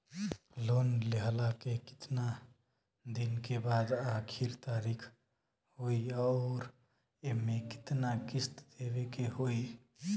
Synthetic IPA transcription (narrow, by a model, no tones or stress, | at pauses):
lonleɦlakekɪ̥t̪na | d̪inkebad̪akʰiɾt̪aɾikʰ | ɦojɔːɾ | emekɪ̥t̪nakist̪d̪ebekeɦoi